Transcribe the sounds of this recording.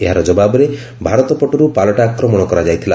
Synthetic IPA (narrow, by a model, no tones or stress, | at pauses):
eɦaɾɔd͡ʒɔbabɔɾe | bʱaɾɔt̪ɔpɔʈɔɾupalɔʈaːkɾɔmɔɽ̃ɔkɔɾad͡ʒajt̪ʰila